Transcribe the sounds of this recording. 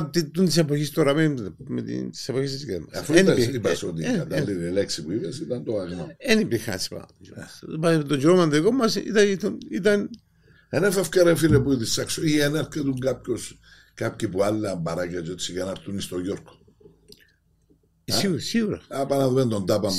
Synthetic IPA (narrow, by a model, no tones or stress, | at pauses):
t̪it̪ːunt̪isepoçist̪oɾɐmemet̪ḭnt̪i̥sepoçist̪isɡḛmɐsafueniipɐsot̪ikad̪alːiɾileksipuipesit̪ɐnd̪oaɣnoenipixɐ̰si̥pa̰d͡ʒopat̪od͡ʒoɾomɐnd̪ikomːɐsḭt̪ɐt̪onit̪ɐn | enefɐfcaɾefiɾepuit̪isaksoieneɾt̪et̪uŋɡapços | kap̚çipualːmbɐɾɐcet͡ʃot̪sikenɐɾt̪unist̪oʝoɾko̥ | siɣusiɣuɾɐ̰apɐnaðumend̪ond̪apɐm